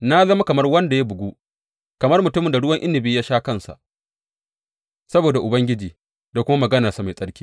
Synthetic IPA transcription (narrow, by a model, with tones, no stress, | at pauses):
na˦zɐ˦ma˦kɐ˨mɐ˦rwɐ˦nda˨ja˦bʊ˨ɡʷu˦ | kɐ˨mɐ˦rmʊ˨tʊ˦mɪ˨nda˨ɽʊ˦wɐ˦ŋʔɪ˦nːɪ˨biː˦jaː˦ʃaː˦kɐ˦˨nsa̰˨ʔ | sɐ˦boː˨da˨ʔʊ˨bɐ˦ŋɡʲɪ˦d͡ʒiː˨ | da˨kʷʊ˦ma˦mɐ˨ɡɐ˦na˨sa˨ma˨jsʼɐ˦ɽkʲi̥ː˦